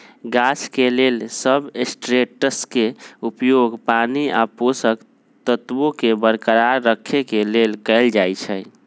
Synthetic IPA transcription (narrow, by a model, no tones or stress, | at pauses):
ɡasʰkelelsəbesʈɾeʈəskeupjoɡpania̰posək | t̪ət̪bokebəɾkəɾaɾːəkʰːekelelkəɪld͡ʒajt͡ʃʰɛj